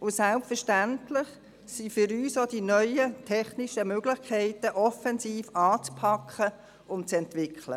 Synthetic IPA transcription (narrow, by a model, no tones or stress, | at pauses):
ʊsɛlpfəʃtæntlɪχ | sifʏɾyːsod̥inœʏətʰɛχniʃəmøːɡlɪχkʰɛɪtəʔɔfɛnsiːfɑːt͡spʰɑkʰχə | ʊnt̚t͡sɛntʋɪkʰlə̰